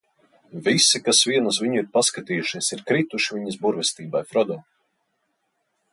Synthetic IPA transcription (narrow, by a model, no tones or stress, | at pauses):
visikasviɛnus̬viɲuiɾpaskat̪iːjuʃiɛsiɾkɾit̪uʃivʲiɲisbuɾvʲɛst̪iːbajfɾɔd̪ɔː